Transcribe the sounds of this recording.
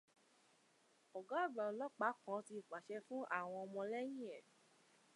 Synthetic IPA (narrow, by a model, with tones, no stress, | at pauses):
ɔ˨ɡa˦˨bã˨˦lɔ˦k͡pa˨˦kã˦ti˧i˨k͡pa˨ʃɛ˧fũ˦ʔa̰˦˨w̃ɔ̃˧ɔ˧mɔ̃˧lɛ˦j̃ĩ˦ɛ˨